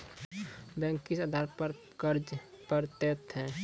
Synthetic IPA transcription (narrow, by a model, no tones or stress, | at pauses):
bɛ̃ŋkisad̪ʱaɾpəɾ | kəɾd͡ʒpəɾt̪et̪ɦɛ̃